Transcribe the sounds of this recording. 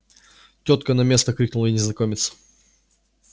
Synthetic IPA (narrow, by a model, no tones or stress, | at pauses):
tʲot̪kənɐmʲest̪əkɾʲik̚nʊlˠəɪnʲɪznɐkomʲɪt̪sə̥